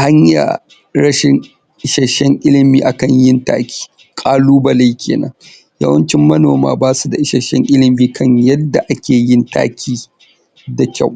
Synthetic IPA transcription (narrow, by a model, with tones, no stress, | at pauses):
ha˦ɲja̰˨ | ɽɐ˦ʃɪ˨ŋ | ʔɪ˦ʃɐ˨ʃɛ˦ŋʔɪ˦lɪ˨miː˨ʔa˨kɐ˨ɲjɪ˦nta̰ː˦kʲi̥ː˦ | kʼaː˦luː˦bɐ˨la˦jkʲʰḛː˨nɐ̰˦ŋ | jɐ̰˦wɐ˦nt͡ʃɪ˦mːɐ˦noː˨ma̰ː˦baː˦su˨da˨ʔɪ˦ʃɐ˨ʃɛ̰˦ŋʔɪ˦lɪ˨miː˨kʰɐ˦ɲjɐ˦dːa˨ʔa˦kʲeː˨jɪ˦nta̰ː˦kʲʰiː˦ | da˨kʲa˦˨w